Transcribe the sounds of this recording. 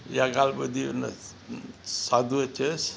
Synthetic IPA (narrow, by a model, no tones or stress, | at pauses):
jaɡalbəd̪ḭnɐ̰ | sad̪uət͡ʃʰes